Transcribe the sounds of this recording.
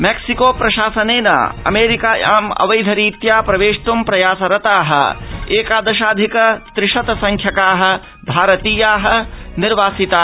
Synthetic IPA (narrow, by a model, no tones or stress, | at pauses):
meksikoːpɾɐʃaːsɐneːna̰ːɐ̰meːɾikaːa̰ːmɐ̰ʋɐjd̪ʱɐɾiːt̪jaːpɾɐʋeːʃt̪umpɾɐjaːsɐɾɐt̪aːɦɐ̰̆eːkaːd̪ɐʃaːd̪ʱikɐt̪ɾɪʃɐt̪sɐ̃ŋkʰjɐkaːɦɐ̆ | bʱaːɾɐt̪iːjaːɦɐ̆niɾʋaːsit̪aː